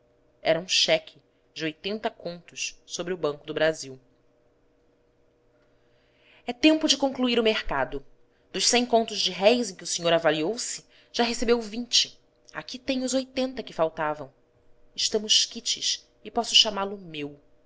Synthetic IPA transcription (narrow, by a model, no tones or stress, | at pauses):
ɛ̰ɾɐũʃɛkʰɪ | d͡ʒɪojt̪ẽnt̪ɐkõnt̪ʊssobɾɪʊbɐ̃ŋkʊd̪ʊbɾaziw | ɛt̪ẽmpʊd͡ʒɪkõŋkluiɾʊmehkad̪ʊ | d̪̥ʊʃsẽj̃kõnt̪ʊzd͡ʒɪɦɛjzẽkʲɪʊsiɲoɾavaliowsɪ | ʒ̥aɦesebewvĩɲt͡ʃɪ | a̰kit̪ẽj̃ʊzojt̪ẽnt̪ɐkɪfawt̪avɐ̃w̃ | ɪʃt̪ɐ̃mʊʃkit͡ʃɪʃ | ɪpɔsʊʃamalʊmew